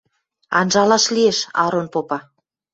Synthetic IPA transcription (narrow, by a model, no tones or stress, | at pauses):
ɑ̰nʒɑlɑʃlieʃɑ̰ɾonpopɑ